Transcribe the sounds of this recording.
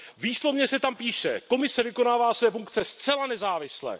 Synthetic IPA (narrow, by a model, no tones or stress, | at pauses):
viːslo̞vɲɛsɛt̪ampiːʃɛko̞mɪsɛvɪko̞naːvaːsvɛːfuŋkt͡sɛst̪t͡sɛlanɛzaːvɪslɛ̰ː